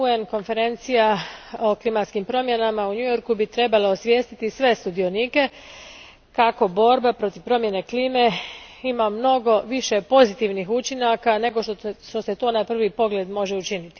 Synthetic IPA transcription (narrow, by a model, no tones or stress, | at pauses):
uenko̞nfe̞ɾe̞nt̪sijao̞klimat̪skimpɾo̞mje̞namauɲujo̞ɾkubit̪ɾe̞balaosʋʲje̞ːst̪it̪isʋe̞st̪ud̪io̞niːke̞ | kako̞bo̞ɾbapɾo̞t̪iʋpɾo̞mje̞ne̞kliːme̞imamno̞ɡo̞ʋiʃe̞po̞zit̪iʋnixut͡ʃinakane̞ɡoʃʃt̪ose̞t̪o̞ːnapr̩ʋipo̞ɡle̞ːd̪mo̞ʒe̞ut͡ʃinit̪i̥